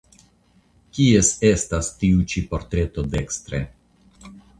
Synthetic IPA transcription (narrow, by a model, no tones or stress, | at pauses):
kiese̞stast̪iut͡ʃipo̞ɾt̪ɾe̞t̪o̞d̪e̞kst̪ɾḛ